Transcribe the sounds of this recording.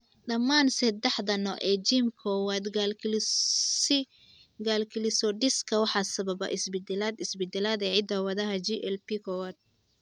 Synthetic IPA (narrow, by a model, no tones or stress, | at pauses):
ɗɐmːaːnsɐd̪ɛħd̪ɐnɔ̰ʔɛːd͡ʒimkʰɔːwaːd̪ɡll | ɡaːlkʰɪlɪsɔɖɪskʰɐwɑħɑsɐβɐbɐ̰ʔɪsbɪd̪ɛlaːd̪ɪsbɪd̪ɛlaːd̪ɛːʕɪd̪ɐwɐðɐɦɐd͡ʒiʔɛlpikʰɔːwaːd̪̚